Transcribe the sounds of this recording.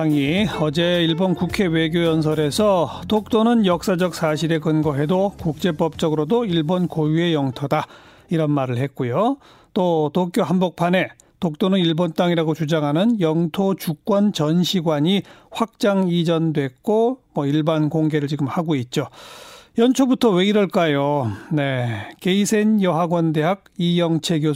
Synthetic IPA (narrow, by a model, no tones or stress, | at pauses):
aŋiʌd͡ʑe̞iɭbonkukʰe̞we̞ɡjojʌns̬ʰʌɾe̞sʰʌtok̚t͈onɯnjʌk̚s͈ad͡ʑʌk̚s͈ʰaɕʰiɾe̞kɯnɡʌɦe̞dokuk̚t͡ɕ͈e̞p͈ʌp̚t͡ɕ͈ʌɡɯɾodoiɭbonkojue̞jʌŋtʰoda | iɾʌnmaɾɯɭɦe̞t̚k͈ujo | t͈otok͈joɦanbok̚pʰane̞ | tok̚t͈onɯniɭbont͈aŋiɾaɡot͡ɕud͡ʑaŋɦanɯnjʌŋtʰot͡ɕuk͈wʌnt͡ɕʌnɕʰiɡwaɲiɸwak̚t͡ɕ͈aŋid͡ʑʌndwe̞k̚k͈omwʌiɭbankoŋɡe̞ɾɯɭt͡ɕiɡɯmhaɡoit̚t͡ɕ͈ojʌnt͡ɕʰobutʰʌwe̞iɾʌɭk͈ajone̞keisʰe̞njʌɦaɡwʌnde̞ɦaɡ̚ijʌŋt͡ɕʰe̞ɡjo